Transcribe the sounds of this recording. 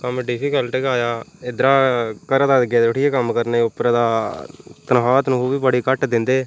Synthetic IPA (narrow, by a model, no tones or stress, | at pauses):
kəmɖɪpʰiːkəlʈeɡaːjaːɪd̪əɾaːkəɾd̪aːd̪ɡeːd̪əʈijeːkəmkəɾneːʊpɾəd̪aːt̪ənɦaːt̪nũːɦuːbiːbəɽiːkəʈd̪ɪnd̪eː